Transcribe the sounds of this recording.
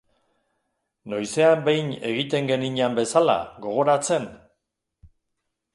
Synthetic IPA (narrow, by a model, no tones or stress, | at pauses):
nojse̞ambe̞jne̞ɣ̞it̪e̞ŋɡe̞niɲambe̞sala̰ɣo̞ɣ̞o̞ɾat͡se̞n